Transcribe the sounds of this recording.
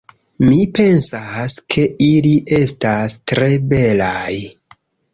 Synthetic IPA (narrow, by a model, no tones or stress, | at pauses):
mipe̞nsaskʰe̞iliʔe̞stastɾe̞be̞laj